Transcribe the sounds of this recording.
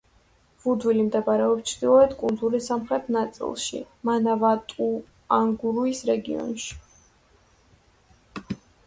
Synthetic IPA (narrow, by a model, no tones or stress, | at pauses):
vud̪vilimd̪ɛbaɾɛɔpst͡ʃʰd̪̥ilˠɔɛt̪kʼund̪zuɾisamχɾɛt̪ʰnat̪sʼḭlˠʃḭmanavat̪ʼu | aŋɡuɾuisɾɛɡiɔ̰nʃi̥